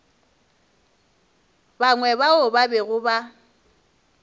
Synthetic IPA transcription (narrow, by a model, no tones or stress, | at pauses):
baŋwɛbaʊbabɛɣʊba